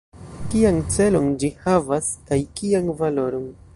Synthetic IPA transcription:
kiant͡se̞lo̞nd͡ʒihavaskajkianvalo̞ɾo̞n

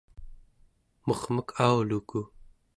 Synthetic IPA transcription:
moχməkʰaːwluku

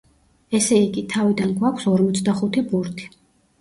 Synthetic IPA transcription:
ɛsɛiɡit̪ʰavid̪anɡwakʷʰsɔɾmɔt̪sʰd̪aχut̪ʰibuɾt̪ʰi̥

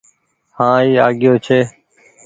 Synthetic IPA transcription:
hãːiːaːɠɪjoːt͡ʃʰeː

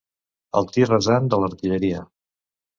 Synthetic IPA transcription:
ə̰lˠt̪irəzand̪ələɾt̪iʎəɾiə

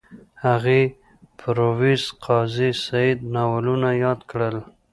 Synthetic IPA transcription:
haɣe | pʰɾowisqʰɑzisaid̪nawɑlunajɑd̪kɽəl

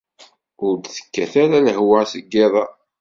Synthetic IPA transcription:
ʊɾd̪θə̥kːæθæɾaləɦwasəɡːɪðˤɑ

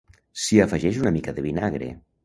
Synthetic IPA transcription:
siəfəʒɛʃunəmikəðəβinaɣɾḛ

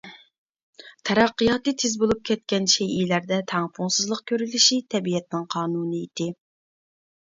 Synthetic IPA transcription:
t̪ʰɛɾɑqːɨjɑːt̪ɨt̪ʰezbolˠup̚kʲʰɛt̪̚kʲɛnʃejilæɾd̪ɛt̪ʰæŋpʰuŋsɨzlˠəq̚kʲʰøɾylɪʃit̪ʰɛbijɛt̪̚nɪŋqʰɑːnuːnɨid̪ɪ

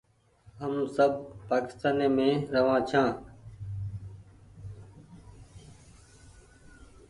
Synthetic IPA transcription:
ɦəmsəb̚paːkɪ̥st̪aːneːmẽːɾəʋãːt͡ʃʰãː

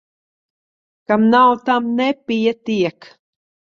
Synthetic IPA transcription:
kamnawt̪amnepijat̪iɛk

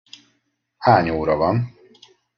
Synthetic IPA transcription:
haːɲoːɾɒvɒn

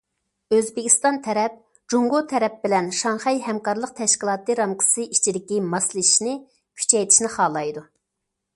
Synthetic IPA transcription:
øzbɪkʲi̥st̪ɑnt̪ʰɛɾɛp̚ | d͡ʒuŋɡot̪ʰɛɾɛp̚bɪlɛnʃɑŋχɛjhɛmkɑɾlˠəq̚t̪ʰɛʃkʲilˠɑːt̪ɨɾɑmqʰə̥sɨʔit͡ʃʰid̪ɪkʲimɑslˠɨiʃnɪ | kʲʰy̥t͡ʃʰɛjt̪ʰi̥ʃnɪχɑːlˠɑjd̪u

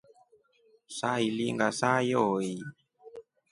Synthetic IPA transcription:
sailiŋɡasajɔi

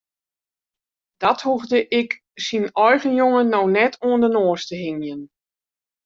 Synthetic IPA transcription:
d̥ɔthuɣdəʔɪk | sinɔjɣənjoŋənːownɛtʰoəndənoəstəɦɪŋjən

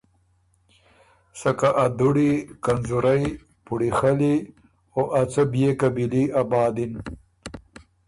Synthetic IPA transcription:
sɐkaʔad̪uɽikɐnzuɾaj | puɽixɐli | oːʔɐt͡sɐbjekɐbiliabɑːd̪in

